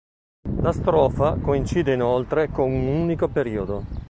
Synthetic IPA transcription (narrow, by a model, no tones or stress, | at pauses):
last̪ɾɔːfakoint͡ʃiːd̪einolt̪ɾekonununikopeɾiːod̪o